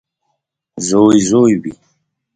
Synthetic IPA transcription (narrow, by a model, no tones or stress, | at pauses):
zoːjzoːjbḭ